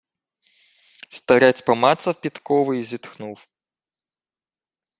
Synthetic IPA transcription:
st̪ɐɾʲat͡sʲpɐmat̪sɐfpʲit̪kɔvɨizʲit̪xnuf

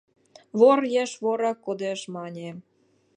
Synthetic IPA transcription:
βorjeʃβoɾɑkːod̪eʃmɑnʲe

